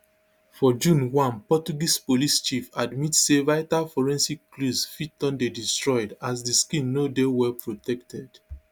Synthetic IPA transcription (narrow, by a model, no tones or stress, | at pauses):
fɔd͡ʒũnwãnpɔt͡ʃuɡispolist͡ʃifadmitsevaɪtalfɔɹɛ̃nsiklusfitɔ̃ndedistɹɔɪdasdiskĩnːodewɛpʰɹotɛktʰɛd̥